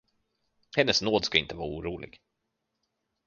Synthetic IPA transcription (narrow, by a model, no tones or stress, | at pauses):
hɛnːəsnoːd̪skaɪnt̪əvɑːɾuːɾuːlʔɪ̰ɡ̥